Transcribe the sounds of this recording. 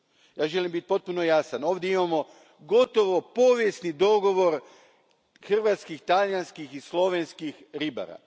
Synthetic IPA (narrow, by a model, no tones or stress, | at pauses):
jaːʒelimbit̪̚po̞t̪̚punojasano̞ːʋd̪jeimamo̞ | ɡo̞t̪o̞ʋo̞po̞ʋjesnid̪o̞ɡo̞ʋo̞ɾ | xr̩ʋat̪skixt̪aljanskixislˠo̞ʋenskixɾiba̰ɾa̰